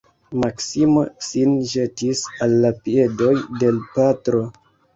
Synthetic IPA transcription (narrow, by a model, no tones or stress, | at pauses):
maksimosinʒe̞tisalːapie̞do̞jde̞lpatɾo̞